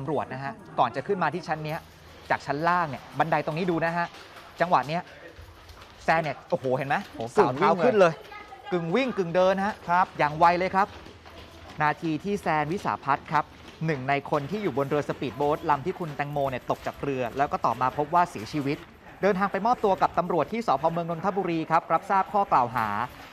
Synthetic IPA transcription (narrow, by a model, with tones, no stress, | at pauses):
t̪a˧mɾu˨˩ət̪̚na˦˥ɦʰa˦˥ʔkɔː˨˩nt͡ɕa˨˩kʰɯ˥˩nmaː˧t̪ʰiː˥˩t͡ɕʰa˦˥nːi˦˥ɐ | t͡ɕaː˨˩k̚t͡ɕʰa˦˥nlaː˥˩kni˥˩ba˧nda˧jt̪o˧ŋniː˦˥duː˧na˦˥ɦa˦˥ʔ | t͡ɕa˧ŋwa˨˩t̪̚ni˦˥ɐʔ | sɛː˧nːi˥˩ɐʔoː˨˩hoː˨˩˦he˨˩˦nma˦˥jhːsaɯ˨˦wka˥˦˥wŋkʰɯ˥˩nlɤː˧jkɯ˨˩ŋwi˥˩ŋkɯ˨˩ŋdɤː˧nha˦˥ʔkʰa˦p̚jaː˨˩ŋwa˧jlɤː˧jkʰa˦˥p̚ | naː˧t̪ʰiː˧t̪ʰiː˥˩sɛː˧nwi˦˥sa̰ː˩˦pʰa˦˥t̪̚kʰa˦˥p̚ | nɯ˨˩ŋna˧jkʰo˧nt̪ʰiː˥˩juː˨˩bo˧nɾɯ˧ɐsa˧pi˨˩t̪̚boː˦˥t̪̚la˧mt̪ʰiː˥˩kʰu˧nt̪ɛ˧˩ŋmoː˧ni˥˩ɐt̪o˨˩k̚t͡ɕaː˨˩k̚ɾɯ˧ɐlɛː˦˥wkɔː˥˩t̪ɔː˨˩p̚maː˧pʰo˦˥p̚waː˥˩si˨˩˦t͡ɕʰiː˧wi˦˥t̪̚ | dɤː˧nt̪ʰaː˧ŋpa˧jmɔː˥˩p̚t̪u˧ɐka˨˩p̚t̪a˧mɾu˨˩ət̪ʰːiː˥˩sɔː˩˦pʰɔː˧mɯ˧əŋlo˧nt̪ʰa˦˥buː˧ɾiː˧kʰa˦˥p̚ɾa˦˥p̚saː˥˩p̚kʰɔː˥˩klaː˨˩wɦaː˩˦